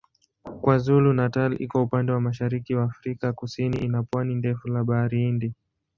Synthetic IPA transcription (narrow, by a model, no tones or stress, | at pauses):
kwazulunatalḭkwaupandɛwamaʃaɾikiwaːfɾikakusiniʔinapwanindɛfulaɓaɾiindi